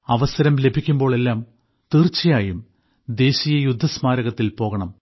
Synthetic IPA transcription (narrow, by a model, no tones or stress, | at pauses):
ɐʋɐsɐɾɐmle̞bʱikʲːumbo̞ːɭe̞lːaːm | t̪iːrt͡ɕːɐjaːjum | d̪e̞ːɕijɐjud̪ʱːɐsmaːɾɐɣɐt̪ːilpo̞ːɣɐɳɐm